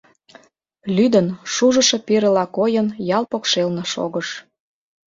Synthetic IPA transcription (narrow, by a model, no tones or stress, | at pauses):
lyd̪ənʃuʒə̆ʃe̽piɾə̆lɑkojənjɑlpokʃelnɤ̆ʃo̰ɣəʃ